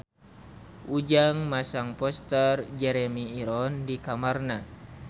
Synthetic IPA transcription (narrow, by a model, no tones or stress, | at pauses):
ud͡ʒaŋmasaŋpɔst̪ərd͡ʒɛɾɛmiːɾɔndikamarna